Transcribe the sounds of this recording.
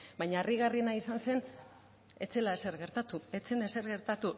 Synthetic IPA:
baɲaːriɣarinaisanse̞n | e̞t͡se̞laeseɾɣe̞ɾt̪at̪ue̞t͡sene̞se̞ɾɣe̞ɾt̪at̪u

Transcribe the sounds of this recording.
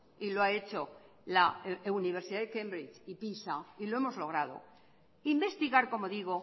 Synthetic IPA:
iloae̞t͡ʃo̞ | launiβ̞e̞ɾsiðaðekẽ̞mbɾit͡ʃipisailoe̞mozlo̞ɣ̞ɾað̞o̞̰ | imbe̞st̪iɣaɾko̞mo̞ðiɣ̞o̞

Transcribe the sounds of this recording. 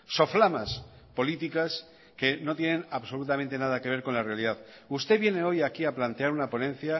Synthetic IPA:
so̞flamas | po̞lit̪ikas | ke̞no̞t̪je̞ne̞naβso̞lut̪amẽnt̪e̞naðake̞β̞e̞ɾko̞nlare̞aliðað | ust̪e̞βje̞ne̞o̞jakiaplant̪eaɾunapo̞nẽ̞n̟θja

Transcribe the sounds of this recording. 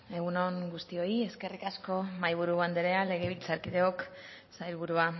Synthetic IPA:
e̞ɣuno̞ŋɡust̪io̞ie̞ske̞rikasko̞majβ̞uɾuβand̪eɾe̞ale̞ɣ̞eβ̞ilt͡saɾkiðe̞ok | sajlβuɾua

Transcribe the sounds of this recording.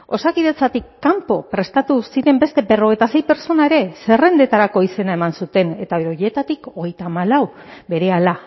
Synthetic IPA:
o̞sakiðe̞t͡sat̪ikːampo̞pɾe̞st̪at̪usiɾe̞mbe̞st̪e̞be̞ro̞ɣ̞e̞jt̪ase̞jpe̞ɾt͡so̞naeɾe̞se̞re̞nd̪e̞t̪aɾako̞ise̞nae̞mansut̪e̞ne̞t̪aβeɾoje̞t̪at̪iko̞ɣ̞e̞jt̪aːmalawbe̞ɾe̞ala

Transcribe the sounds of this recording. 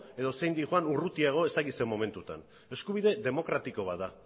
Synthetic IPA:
e̞ðo̞se̞jnd̪ixwanurut̪iaɣ̞o̞est̪akisemo̞me̞nt̪ut̪a̰n | e̞skuβ̞iðe̞ðe̞mo̞kɾat̪iko̞βaða

